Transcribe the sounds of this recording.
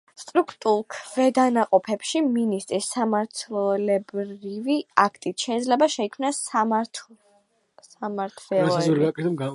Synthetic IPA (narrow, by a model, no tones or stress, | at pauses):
st̪ʼɾukʰt̪ʼulˠkʰvɛd̪anaqʼɔpʰɛpʃiminist̪ʼɾisːamaɾt̪ʰllɛbɾiviakʰt̪ʼit̪ʃɛid̪zlɛbaʃɛikʰmnast̪ʰ | samaɾt̪ʰvɛlˠɔɔɾɡakʼɛt̪ʰɛbɡa